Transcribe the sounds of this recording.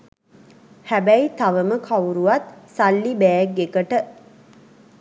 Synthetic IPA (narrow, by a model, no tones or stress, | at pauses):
hæbæjit̪aʋəməkʰauɾuʋat̪salːibæɛɡːekəʈə